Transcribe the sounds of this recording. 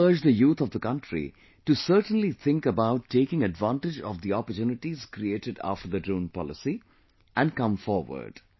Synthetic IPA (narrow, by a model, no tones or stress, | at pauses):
əːd͡ʒd̪əjuːt̪ʰɔʋvd̪əkʌ̃nʈɾḭ | ʈusəːʈə̃n̩lit̪ʰɪ̃ŋkəbaʊʈːeːkɪ̃ŋəɖʋãnʈɪd͡ʒɔ̰ʋd̪iɔpətjuːnɪʈiz̥kɾieːʈɪɖæ̰ːfʈəɾd̪əɖɾũːnpɔ̰lɪsi | ʔæ̃nɖkʌ̃mfɔːɾʋə̰ɾɖ̥